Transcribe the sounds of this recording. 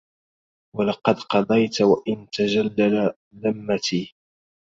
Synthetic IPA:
walɑqɑd̪qɑd̪ˤɑjt̪waʔɪnt̪ad͡ʒalːala | ðamːat̪iː

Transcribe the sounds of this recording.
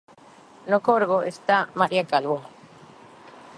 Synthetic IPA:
nokoɾɣoʔest̪amaɾiakalβo

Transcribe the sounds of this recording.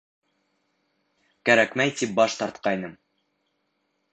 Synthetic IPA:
kæɾækmæjt̪ip̚bɒʃt̪ɒɾt̪̚qɑjnɤm

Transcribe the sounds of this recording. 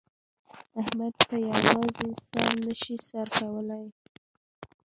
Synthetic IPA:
ahmad̪̚kajawɑzeɪnsɑnːəʃisaɾkawəlaj

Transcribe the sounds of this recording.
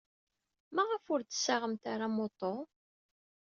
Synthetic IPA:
maʁəfʊɾt̪ə̥sːaʁəmt̪aɾamot̪ˤːo

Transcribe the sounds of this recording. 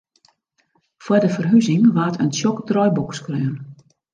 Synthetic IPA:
fwədəfərɦyzɪŋʋaːtənsjɔktrɔjbɔkskrøːn

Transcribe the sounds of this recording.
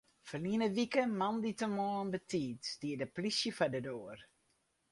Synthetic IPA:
fɔrniənəʋikəmanditəmɔənbətiːtd̥iədəplisjəfadədoər

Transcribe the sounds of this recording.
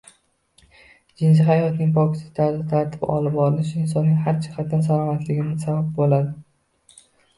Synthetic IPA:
d͡ʒɪns̬ɪɦajɒt̪nɪŋʲpʰɒkʲʰɪ̥sɪ̥t̪ʰaɾd̪ɪt̪ʰaɾt̪ʰɪ̥pɒ̰lɪpɒɾɪlɪʃɪnsɒnːɪŋhaɾd͡ʒʰɪhat̪̚d̪ansalˠɒmat̪lɪɡʲɪmansabab̚bolad̪ɪ

